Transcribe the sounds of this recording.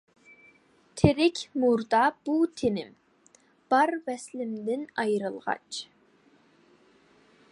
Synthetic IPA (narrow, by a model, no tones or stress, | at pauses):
t̪ʰeɾɪkʲmuɾd̪ɑb̥ut̪ʰenɪm | b̥ɑɾvɛslɪmd̪ɪnɑjɾɨlˠʁɑ̰t͡ʃ